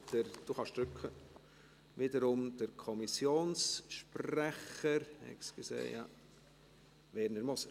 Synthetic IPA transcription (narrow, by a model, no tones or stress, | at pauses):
d̥əɾd̥uχɑʃd̥ɾʏkʰə | ʋidəɾʊmd̥əɾkʰɔmisjoːnsʃprɛχəɾhɛ̰ksɡ̥sḛːjɑ̰ | ʋɛːɾənəɾmʊs